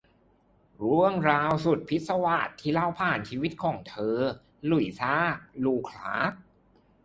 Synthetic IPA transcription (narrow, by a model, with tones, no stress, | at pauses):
ɾu˥˩əŋɾaː˧wsu˨˩t̪̚pʰi˦˥t̪̚sa˧wa˨˩t̪ʰːiː˥˩la˥˩wpʰaː˨˩nt͡ɕʰiː˧wi˦˥t̪̚kʰɔː˩˦ŋt̪ʰɤː˧ | lu˨˩jsaː˥˩k̚luː˧kʰla̰ː˦˥k̚